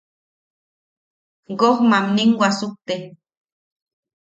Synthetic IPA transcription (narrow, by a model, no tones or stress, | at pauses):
ɡohmamniŋɡʷwasuk̚t̪e